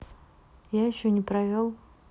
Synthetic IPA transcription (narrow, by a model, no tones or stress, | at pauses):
jaɪɕːonʲɪpɾɐvʲolˠ